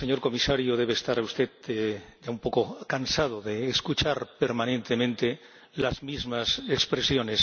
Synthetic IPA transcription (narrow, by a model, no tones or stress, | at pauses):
seɲo̞ɾko̞misaɾjoðe̞β̞eːst̪aɾaust̪eðeɟ͡ʝaumpo̞kokansað̞oðeːskut͡ʃaɾpeɾmanẽnt̪emẽnt̪e | lazmizmasekspɾesjo̞nes